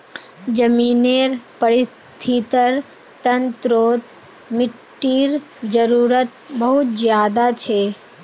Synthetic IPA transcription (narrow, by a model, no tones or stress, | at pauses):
d͡ʒəmiːneɾpəɾɪs | t̪ʰit̪əɾ | t̪ənt̪ɾoːt̪ | mɪʈːiːɾ | d͡ʒəɾuːɾət̪bəɦʊt̪zjaːd̪at͡ʃʰeː